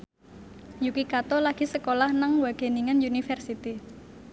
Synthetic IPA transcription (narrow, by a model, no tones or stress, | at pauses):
jukikat̪ɔlaɡ̥i̤səkolahnaŋwaɡ̥e̤niŋanjunifɛrsit̪i